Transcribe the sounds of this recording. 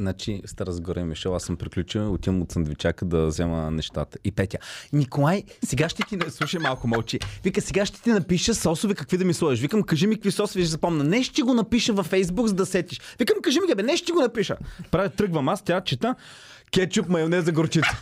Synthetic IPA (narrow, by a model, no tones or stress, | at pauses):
znat͡ʃist̪aɾəzɡɔɾɛmiʃɔasəmpɾiklʲut͡ʃəʊt̪imʊt̪sɐnd̪vit͡ʃakəd̪ɐzɛmə̰nɛʃt̪a̰t̪ə̥ipɛt̪ʲanʲikolˠajsɛɡaʃt̪ɛt̪inslˠuʃɐjmalˠkʊmɔlt͡ʃivikəsɛɡaʃt̪ɛ̥t̪inɐpiʃəsɔsʊvikɐkvid̪ɐmislˠɔiʃvikəmkɐʒimikəkvisɔsʊvizɐpɔmnɐnɛʃt̪iɡonɐpiʃəvɐfɛjzbuɡzɐd̪ɐsɛt̪ʲiʃvikəmkɐʒimikabɛnɛʃt̪iɡonɐpiʃə̰pɾavʲit̪ɾɤɡvɐmast̪ʲat͡ʃit̪ə | kʲɛt͡ʃupmɐjonɛzɐɡoɾt͡ʃit̪sə̥